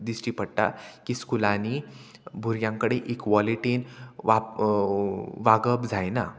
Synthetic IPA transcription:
d̪isʈiːpəɽt̪a̰kiːskulani | bʱuɾjãŋkəɽeʔikʋɔliʈinʋa | ʋaɡəpd͡zʱajna̰

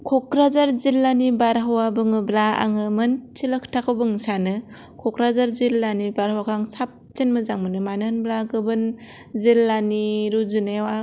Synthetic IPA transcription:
kʰɔk̚ɾazaɾzilːanibaɾɦawabɯŋɯblaa̰ŋɯmɯnt͡ʃʰilɯkʰtʰakʰɯbɯŋsanɯ | kʰɔkɾazaɾzilːanibaɾhawakʰaŋsap̚t͡ʃinmɯzaŋmɯnɯmanɯnblaɡɯbɯn | zilːaniɾuzɯnewa

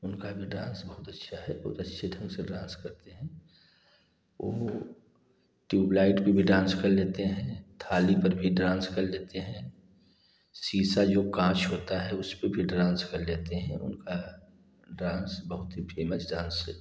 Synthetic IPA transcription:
ʊnkabʱiɖãːnsbɐɦʊt̪ɐtːʃʰaɦɛbɐɦʊt̪ɐtːʃʰeɖʱɐ̃ŋɡseɖɾãːnskɐɾt̪eɦɛ̃ː | o̰ː | ʈjuːblaːɪʈpebʱiɖãːnskɐɾleːt̪eɦɛ̃t̪ʰaːlipɐɾbʱiɖɾãːnskɐɾleːt̪eɦɛ̃ | siːsad͡ʒoːkãːt͡ʃɦoːt̪aɦɛʊspəbʱiɖɾãːnskɐɾleːt̪eɦɛ̰̃ʊ̰nka | ɖɾãːnsbɐɦʊt̪ɦipʰeːmət͡ʃɖãːnsɦɛ̰ː

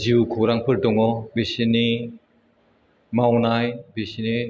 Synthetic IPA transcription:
ziukʰɔɾaŋpʰɯɾdɔŋɔbisini | mawnajbisini

